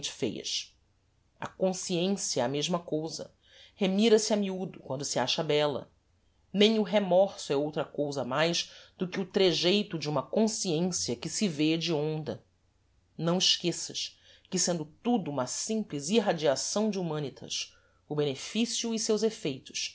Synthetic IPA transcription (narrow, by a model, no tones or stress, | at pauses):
t͡ʃɪ̥fḛjɐ̰ʃ | ɐ̰kõsiẽsiɐɛɐmeʒmɐkowzɐ̰ | hemiɾɐsɪɐmiud̪ʊkwɐ̃nd̪ʊsiaʃɐbɛlɐ̰ | nẽj̃ʊɦemɔɾsʊɛowt̪ɾɐkowzɐmajzd̪ʊkɪut̪ɾeʒejt̪ʊd͡ʒɪũmɐkõsiẽsiɐkɪsɪved͡ʒɪõnd̪ɐ | nɐ̃w̃iʃkesɐʃ | kɪsẽnd̪ʊt̪ud̪uũmɐsĩpliziɦad͡ʒiasɐ̃w̃d͡ʒɪumɐ̃nit̪ʰɐ̰ʃ | ʊbenefisiʊisewzefejt̪ʊ̥ʃ